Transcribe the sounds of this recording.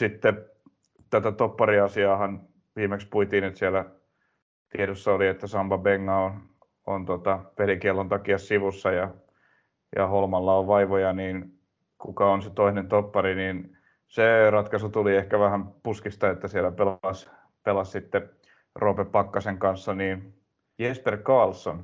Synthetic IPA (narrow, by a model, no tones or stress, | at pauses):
sit̪ːe | t̪æt̪æt̪opːɑriɑsiɑːhɑn | ʋiːmekspuit̪iːnyt̪sielːˑæ | t̪ieɾosːɑoliet̪ːæsɑmbɑbeŋːɑon | o̰nt̪ot̪ɑpelikielːont̪ɑkiɑssiʋusːɑjɑ | jɑ̰holmɑlːɑoʋʋɑiʋojɑniːn | kukɑonset̪oinent̪opːɑɾiniːn | serɑt̪kɑsut̪uliehkæʋæhæmpuskist̪ɑet̪ːæsielːæpelɑs | pelɑssit̪ːe | roːpepɑkːɑseŋkɑnsːɑniːn | jesperkɑːlsːon